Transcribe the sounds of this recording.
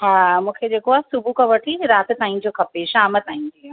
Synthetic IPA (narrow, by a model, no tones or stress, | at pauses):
ɦãːmũːkʰed͡ʑeːkoaːsʊbʱukaʋɐʈʰiɾaːt̪t̪aːĩnd͡ʑokɐpeːʃaːmət̪aːĩnd̪ia